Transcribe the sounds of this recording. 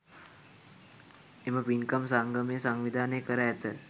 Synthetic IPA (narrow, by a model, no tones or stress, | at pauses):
eməʋinkəmsaŋɡəmesaŋʋid̪ʱaːnekəɾəɛt̪ə